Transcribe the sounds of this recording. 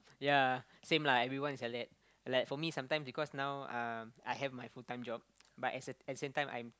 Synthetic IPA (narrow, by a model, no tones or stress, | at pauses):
ja | sẽmlaɛvɹiwãnisɛlɛt̚ | laɪkfɔmisãmtãɪ̃msbikɔsnawãmajɦɛvmajfutãɪ̃md͡ʒɔp̚batɛtsəɛt̚dəsẽmtãɪ̃mʔã̰j̃m